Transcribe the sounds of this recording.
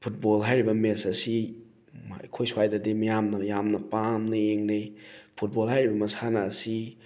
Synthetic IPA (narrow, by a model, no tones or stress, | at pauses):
pʰut̚bolɦajɾibɐmesɐsi | ma̰jkʰojswajdadimɐjamnɐjamnɐpamnɐeŋnepʰut̚bolɦajɾibɐmɐsanaːsi